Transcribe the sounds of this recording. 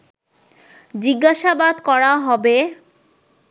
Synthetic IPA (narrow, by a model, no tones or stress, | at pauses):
d͡ʑiɡːaʃabad̪kɔɾaɦɔbe